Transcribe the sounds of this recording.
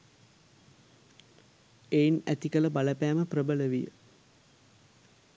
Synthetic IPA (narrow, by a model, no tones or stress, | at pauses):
einæt̪ikələbaləpæːməprəbələʋijə̰